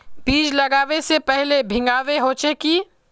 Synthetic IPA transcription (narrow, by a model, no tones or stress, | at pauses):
biːd͡ʒlɐɡaːʋesepɛɦlebʱɪ̃ŋɡaːʋeɦoːt͡ʃekiː